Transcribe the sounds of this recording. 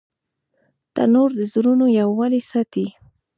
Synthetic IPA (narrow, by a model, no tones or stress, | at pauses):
t̪a̰noɾd̪əzɾʊnojawːalisat̪i